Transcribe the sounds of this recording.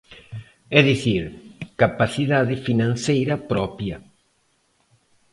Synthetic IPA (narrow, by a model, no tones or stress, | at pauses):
ɛðiθiɾkapaθiðaðɪfinãnθejɾɐpɾɔpjɐ